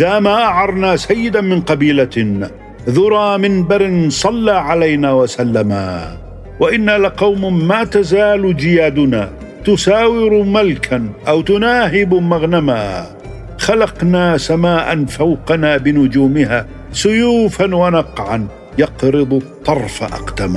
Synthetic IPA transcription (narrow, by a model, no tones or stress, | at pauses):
ʔɪðaːmaːʔaʕɑɾˤnaːsajːɪd̪amɪnqɑbiːla | ðʊɾˤɑːmɪnbaɾɪnsˤɑlːaːʕalajnaːwasalːama̰ː | waʔɪnːalaqɑwmmaːt̪azaːlʊd͡ʒɪjaːd̪ʊnaː | t̪ʊsaːwɪɾmalkʰanʔawt̪ʊnaːɦɪbmaɣnamaː | xalɑqnaːsamaːʔa̰nfawqɑnaːbɪnʊd͡ʒuːmɪhaː | sʊjuːfanwanɑqʕan | jɑqɾɨd̪ˤʊt̪ˤːɑrˤfaʔɑ̰qd̪am